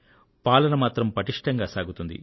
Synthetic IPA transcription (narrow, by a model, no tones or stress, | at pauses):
paːlɐnɐmaːt̪ɾɐmpɐʈiʂʈɐŋɡaːsaːɡut̪und̪ḭ